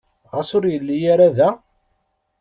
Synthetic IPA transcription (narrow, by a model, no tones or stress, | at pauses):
ʁəsʊɾjəlːijaɾaðæ